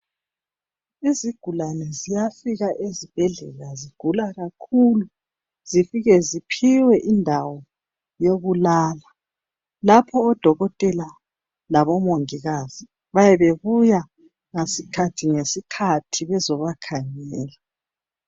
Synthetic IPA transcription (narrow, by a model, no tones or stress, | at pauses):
iziɡ̥ʱulanɛzijafiɣaʔezib̥ʱɛɮɛ̰laziɡ̥ʱulaɣakʰulu | z̥ifiɣɛzipʰiwɛʔindʱawɔ | joɣulaːla | lapʰɔːd̥ʱɔɣɔtʼɛla | laβɔmoŋiɣaz̥i | βajɛβeβuja | ŋesikʰatʰiŋesikʰatʰiβɛzɔβakʰaɲɛːla